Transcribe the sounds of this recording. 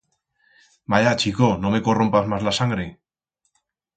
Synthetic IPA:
majat͡ʃikono̞me̞ko̞ro̞mpazmazlasaŋɡɾe̞

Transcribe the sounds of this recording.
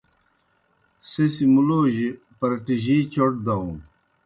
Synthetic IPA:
sesimuloːʑi | pɐɾɐʈiʑit͡ɕoʈ̚d̪aũ

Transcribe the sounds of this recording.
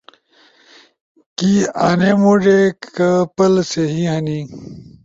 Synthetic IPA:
kiaːnemuɖekkɐpɐlseɦiɦɐni

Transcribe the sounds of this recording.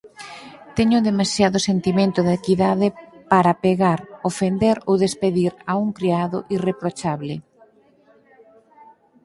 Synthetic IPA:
t̪eɲʊðemasjaðʊsent̪imẽnt̪ʊðekiðaðɪpaɾapeɣaɾofend̪eɾoðespeðiɾauŋkɾiaðʊ̰ʔirepɾot͡ʃaβlɪ

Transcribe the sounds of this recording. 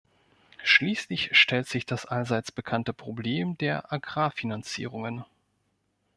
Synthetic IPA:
ʃliːslɪçʃtʰɛltz̥ɪçd̥asʔalzaɪt͡sb̥əkʰantəpʁ̥obleːmdeːɐʔaɡʁaːfinant͡sḭːʁʊŋən

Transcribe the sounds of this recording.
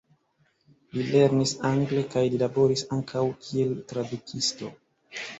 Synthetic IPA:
lile̞ɾnisaŋɡle̞kajlilabo̞ɾisaŋkʰawkʰie̞ltɾadukʰisto̞

